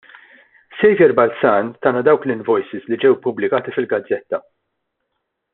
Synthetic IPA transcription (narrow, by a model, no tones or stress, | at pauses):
sɛjvjɛɾbɐlsɐːnt̪ɐːnɐd̪ɐwklɪnvɔjsɪzlid͡ʒɛwpʊblɪkɐːt̪ifɪlɡɐd͡zːɛt̪ːɐ